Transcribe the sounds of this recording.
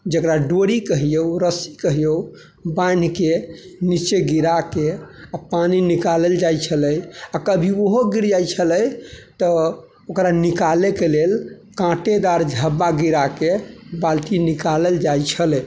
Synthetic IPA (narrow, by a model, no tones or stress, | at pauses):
d͡ʒəkɾaɖoɾikəɦijəuɾəsikəɦijəu | bajn̤kenit͡ʃeɡiɾakeapaninikaləld͡ʒajt͡ʃʰələjakəbʱioɦoɡiɾd͡ʒajt͡ʃʰələjt̪ɔ | okɾanikalekelel | kãʈed̪aɾd͡ʒʱəbːaɡiɾakebalt̪inikaləld͡ʒajt͡ʃʰəlɛ